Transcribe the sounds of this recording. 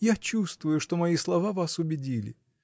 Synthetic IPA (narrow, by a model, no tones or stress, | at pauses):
jat͡ɕust̪vʊjʊʂt̪omɐislˠɐvavasʊbʲɪdʲilʲɪ̰